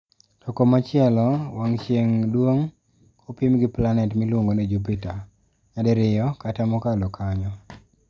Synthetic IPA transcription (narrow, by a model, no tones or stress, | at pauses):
tɔkomat͡ʃɪɛlɔwaŋt͡ʃjeŋdwoŋ | opimɡɪplanɛtmilwoŋɡoned͡ʒupita | ɲadɛɾɪjɔkatamɔkalɔkʰaɲɔ